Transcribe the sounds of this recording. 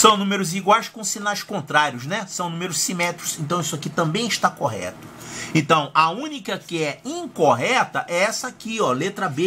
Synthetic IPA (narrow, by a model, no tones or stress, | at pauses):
sɐ̃w̃nũmeɾʊziɡwajskõsĩnajskõnt̪ɾaɾiʊznɛsɐ̃w̃nũmeɾʊssimɛt̪ɾʊzẽnt̪ɐ̃w̃isʊakit̪ɐ̃mbẽj̃iʃt̪akoɦɛ̰t̪ʊ̥ẽnt̪ɐ̃w̃ɐũnikɐkɪɛĩŋkoɦɛt̪ɐʔɛɛsɐakiɔlet̪ɾɐbe